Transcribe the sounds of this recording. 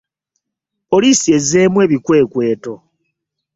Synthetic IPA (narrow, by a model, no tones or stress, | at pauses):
olisje̞ze̞ːmwe̞ːβikwe̞ːkwe̞ːto